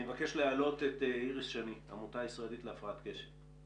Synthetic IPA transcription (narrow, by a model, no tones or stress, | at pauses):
evakeʃlealo̞tet̪eiʁisʃania̰mutaisʁaelitleafʁaatkeʃef